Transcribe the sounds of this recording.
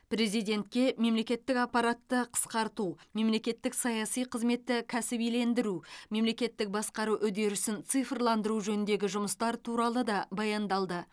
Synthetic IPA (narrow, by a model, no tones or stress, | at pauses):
pɾe̞zijd̪e̞nt̪kʲe̞me̞mle̞kʲe̞t̪ːɪkɑpːɑɾat̪ːəqʰə̥sqɑɾt̪ume̞mle̞kʲe̞t̪ːɪksɑjɑsijqʰəzme̞t̪ːɪkʲʰæsɪbijle̞nd̪ɪɾume̞mle̞kʲe̞t̪ːɪk̚bɑsqɑɾuʔʏd̪e̞ɾɪsɪnt̪sɨjfrlˠɑnd̪əɾuʒɵnɪnd̪e̞ɡʲɪʒʊməst̪ɑɾt̪ʰuɾɑlˠəd̪ɑbɑjɑnd̪ɑlˠd̪ə